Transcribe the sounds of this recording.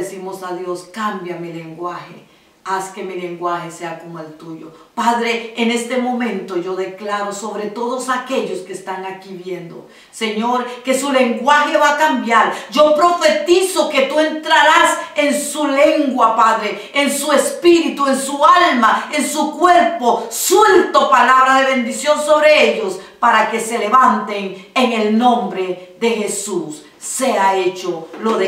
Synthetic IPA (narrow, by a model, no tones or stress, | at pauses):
esimo̞saðjo̞skambjamile̞ŋɡwaxe | aske̞mile̞ŋɡwaxe̞seakomoelt̪uʝo̞̰paðɾe̞ːne̞st̪e̞mõ̞mẽ̞nt̪o̞ʝo̞ðe̞klaɾo̞so̞βɾe̞t̪oðo̞sake̞ʝo̞skeːst̪aŋakiβje̞nd̪o̞̰ | se̞ɲo̞ɾke̞sule̞ŋɡwaxe̞βakambjaɾd͡ʒo̞pɾo̞fe̞t̪isoke̞t̪ue̞nt̪ɾaɾase̞nsule̞ŋɡwapaðɾe̞ | ensue̞spiɾit̪ue̞nsualmaensukwe̞ɾpo̞sult̪o̞palaβɾaðeβe̞nd̪isjo̞nso̞βɾe̞eʝo̞spaɾake̞se̞le̞βant̪e̞ŋeŋe̞lnõmbɾe̞ðe̞xe̞susː | e̞ae̞t͡ʃoloðe